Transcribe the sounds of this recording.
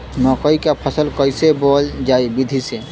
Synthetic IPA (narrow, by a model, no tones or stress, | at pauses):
nɔːkəikapʰəsəlkəɪsebɔːld͡ʒaːibid̪ʱise